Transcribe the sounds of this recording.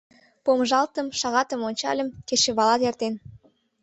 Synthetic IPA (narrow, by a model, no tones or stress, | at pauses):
pomʒɑlt̪əmʃɑɣɑt̪əmonʲt͡ɕɑ̰lʲə̆mkeʃĕβɑlɑt̪ert̪en